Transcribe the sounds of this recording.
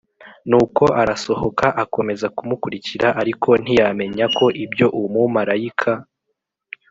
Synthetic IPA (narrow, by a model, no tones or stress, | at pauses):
nuːko̞ʔaɾaso̞ho̞kaʔako̞me̞zakumukuɾiciɾaʔaɾikʰo̞n̥ijame̞ɲako̞ʔibjo̞ʔumumaɾaikʰa